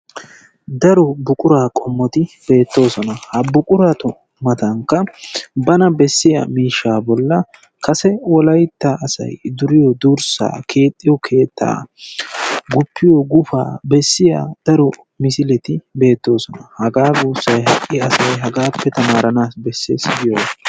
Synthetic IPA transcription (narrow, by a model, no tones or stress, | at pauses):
d̪ɐɾɔbʊkʼʊɾaːkʼɔmːɔt̪ɪbe̞ːt̪ːo̞ːsɔnɐhɐbʊkʼʊɾat̪ɔ | mɐt̪ɐŋkːɐbɐnɐbɛsːɪjɐ̰miːʃːaːbɔlːɐ | kʰɐsɛwɔlɐjt̪ːaʔːsɐ̰jd̪ʊɾɪjɔd̪uːɾsa̰ːkʰe̞ːt̪ʼːɪjɔkʰe̞ːt̪ʰːa̰ː | ɡʊpːɪjɔɡʊfa̰ːbɛsːɪja̰ːd̪̥ɐɾɔ | mɪsɪlɛt̪ɪbe̞ːt̪ːo̞ːsɔnɐhɐɡaːɡuːsːɐjɦɐʔʼːɪɐsɐjɦɐɡaːpːɛt̪ɐmaːɾɐnaːsbɛsːḛːsɪɡɪjɔ